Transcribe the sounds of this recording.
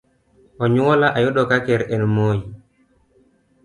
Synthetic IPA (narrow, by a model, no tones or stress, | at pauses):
ʔɔɲuwɔlaʔajɔɗɔkakɛɾɛnmoːji